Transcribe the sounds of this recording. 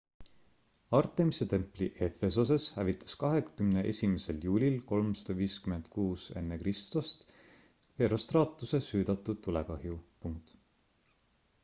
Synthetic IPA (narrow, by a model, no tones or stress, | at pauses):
ɑrt̪ːˑemise̞t̪e̞mpˑliʔe̞fe̞sos̬e̞shævit̪ːˑɑ̥skɑɦekkymneʔe̞̰sʲimese̞ljuːlʲilko̞lmsɑ̥d̪̥ɑviːskyme̞nd̪̥kuːse̞̰nːe̞krist̪ust̪ | eɾost̪rɑːt̪ːˑuse̞syːd̪̥ɑt̪ːˑud̪̥̚t̪ːulekɑhjupuŋt̪